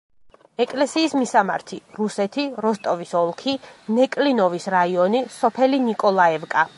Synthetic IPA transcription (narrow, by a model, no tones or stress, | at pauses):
ɛkʼlɛsiːsmisama̰ɾt̪ʰiɾusɛt̪ʰiɾɔst̪ʼɔvisɔlˠkʰinɛkʼlinɔvisɾaiɔnisɔpʰɛlinikʼɔlˠaɛvkʼa